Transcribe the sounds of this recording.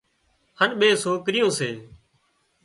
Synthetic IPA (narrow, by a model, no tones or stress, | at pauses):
hənɓeːsoːkɾɪjõːseː